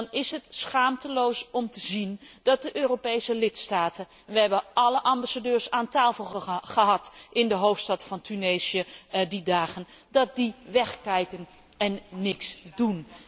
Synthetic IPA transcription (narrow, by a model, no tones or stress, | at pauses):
nɪsɦətsχaːmtəlowsɔmtəzindɑt̚dəʔøːropejsəlɪtstaːtə | nʋəɦɛbəʔɑləʔɑmbasadøːɹsaːntaːfəlˠχəɦɑtʔɪndəɦowftstɑtfɑntʰynejzijədidaːχən | dɑt̚diʋɛχkɛjkən | ɛnːɪksdun